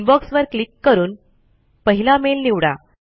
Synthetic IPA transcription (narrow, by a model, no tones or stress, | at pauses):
nbɔksʋəɾklikːəɾuːn | pəɦilamelniʋɽa̰